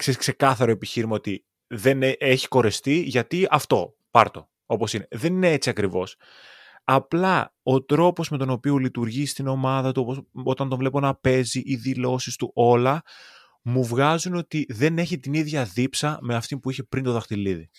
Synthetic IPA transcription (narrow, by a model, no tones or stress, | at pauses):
kseskse̞kɐθɐɾoe̞piçiɾimɐo̞t̪i | ðe̞nʔe̞çi̥ko̞ɾe̞st̪iʝɐt̪iɐft̪o̞ | pɐɾt̪o̞ | o̞po̞sine̞ðe̞nine̞et͡siɐkɾivo̞s | ɐplɐo̞t̪ɾo̞po̞zme̞t̪o̞no̞pio̞lit̪uɾʝist̪ino̞mɐðɐt̪uoposo̞t̪ɐnd̪o̞ɱvle̞po̞nɐpe̞ziʔiðilo̞sist̪uʔo̞lɐ | muvɣɐzuno̞t̪iðe̞ne̞çit̪iniðʝɐðipsɐme̞ɐft̪inpuiçe̞pɾint̪o̞ðɐxt̪iliði